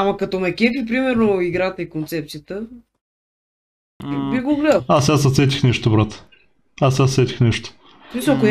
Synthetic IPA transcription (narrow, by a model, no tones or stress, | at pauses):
amɐkɐt̪omɛkʲɛfip̬ɾimɛɾnoiɡɾat̪əikont̪sɛp̚t̪sijət̪ə | biɡoɡlɛd̪əasasɐt̪sɛt̪ʲixnɛʃt̪obɾat̪ə̥ | asast̪ɛt̪ʲi̥xnɛʃt̪o̥ | smisəko